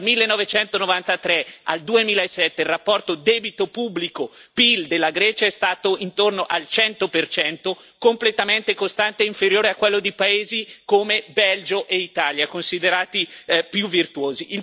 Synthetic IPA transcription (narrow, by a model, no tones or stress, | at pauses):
lmilːenːɔvet͡ʃɛnt̪onovant̪at̪ɾɛa̰ld̪uemiːlaesːɛt̪ːelrːapːɔrt̪od̪ɛːbit̪opubːlikopild̪elːaɡɾɛːt͡ʃaɛst̪aːt̪oint̪ornoʔalt͡ʃɛnt̪opert͡ʃɛnt̪okomplet̪ament̪ekost̪ant̪eiɱfeɾjoːɾeakːwelːod̪ipaeːzikomebɛld͡ʒoʔeit̪aːljakonsid̪eɾaːt̪ipjuvːirt̪uoːziʔi